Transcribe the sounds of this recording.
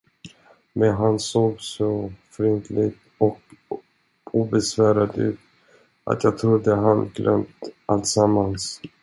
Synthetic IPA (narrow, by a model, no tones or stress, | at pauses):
mɛnɦansoːɡsɔfɾɪnt̪ʰlɪɡ̚t̪ | ɔk | uːbɛsvæːɾad̪ʉ̟ːt̪ | ʔa̰t̪ʰjɑːɡ̚t̪ʰɾʊd̪ːəɦanɡlʔœ̰mt̪ʔalt̪samːans